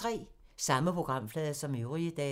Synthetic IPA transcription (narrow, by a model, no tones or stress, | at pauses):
ʁɛ̰ːsɑ̈məpʰʁo̝ɡ̥ʁɑ̈m̰flɛːð̞ˠɐsɒ̽møʊʁiəd̥ɛ